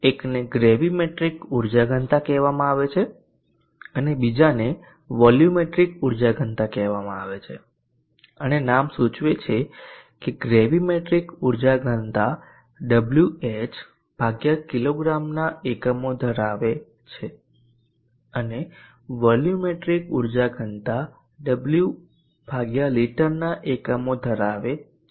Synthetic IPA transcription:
ekneɡɾeʋimeʈɾikuɾd͡ʒaɡʱənt̪akɛʋamãaʋet͡ʃʰe | ənebid͡ʒane | ʋɔljumeʈɾikuɾd͡ʒaɡʱənt̪akɛʋamãa̰ʋet͡ʃʰḛ | ənenamsut͡ʃʋet͡ʃʰekeɡɾeʋimeʈɾikuɾd͡ʒaɡʱənt̪a | ɖəbljuet͡ʃ | b̥ʱaɡjakiloɡɾamnaekəmod̪ʱəɾaʋe | t͡ʃʰe | əne | ʋɔljumeʈɾikuɾd͡ʒaɡʱənt̪a | ɖəblju | b̥ʱaɡjaliʈəɾnaʔekəmod̪ʱəɾaʋe

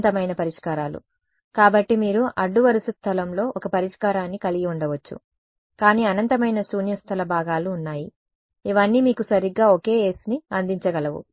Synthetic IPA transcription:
t̪ɐmɐjnɐpɐɾiʂkaːɾaːlṵ | kaːbɐʈːimiːɾuʔɐɖːuʋɐɾisust̪ʰɐlɐmlo̞ːʔɔkɐpɐɾiʂkaːɾaːnːikɐliɡiuɳɖɐʋɐt͡ʃːṵ | kaːniːɐnɐnt̪ɐmɐjnɐsuːnjɐst̪ʰɐlɐbʱaːɡaːluːnːaːji | iʋɐnːiːmiːkusɐɾiɡːaːoke̞ːeːsiniɐnd̪iɲt͡ʃɐɡɐlɐʋṵ

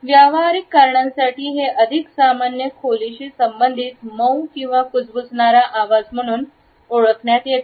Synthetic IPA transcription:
ʋjaʋaɾikːaɾɳãnsaʈʰiːɦeʔəd̪ʱiksamanjəkʰoliɕiːsəmbənd̪ʱiːt̪məwkĩw̃ʋakut͡sbut͡sɳaɾaʔaʋad͡zm̤əɽ̃uːn | oɭəkɳjat̪jek

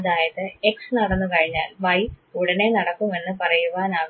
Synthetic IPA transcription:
ðaːjɐðɨe̞ksnɐɽɐnːɨkɐɻiɲːa̰ːlʋɐjuɽɐne̞nɐɽɐkːume̞nːɨpɐrɐjuʋaːnaː

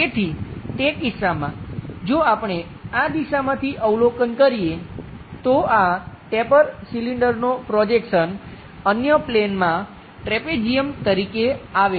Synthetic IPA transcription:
ket̪ʰit̪ekɪsamã̰d͡ʒoapɳ̃e | ad̪iʃamãt̪ʰiʔəwlokənkəɾijet̪oaʈepəɾsiliɳɖəɾnopɾɔd͡ʒekʃən | ənjəplenmã | ʈɾeped͡ʒiəmt̪əɾikeaʋe

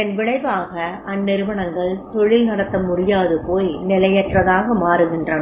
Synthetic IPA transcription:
ɛnʋɪɽɐɪʋaːɣɐʔɐnːɪɾɯʋɐɳɐŋɡɐɭt̪ɔɻɪlnɐɽɐt̪ːɐmʊrɪjaːðɯpoːjnɪlɐjɐʈrɐðaːɣɐmaːɾɯɣɪndrɐnɐ

